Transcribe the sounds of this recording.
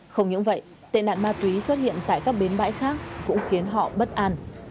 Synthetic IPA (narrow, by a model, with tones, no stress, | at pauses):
xə˧wŋ͡mɲɨ̰˧˥ŋvə̰˧˨j | t̪ḛ˧˨na̰ː˧˨nmaː˧t̪wi˨˦swə˦˥t̚hḭ˧˨ənt̪a̰ː˧˨jkaː˦˥k̚ɓe˨˦nɓa̰ː˧˥jxaː˦˥k̚ːʊ̰˧˥ŋ͡mxi˨˦ənɦɔ̰˧˨ɓə˦˥t̚ʔaː˧n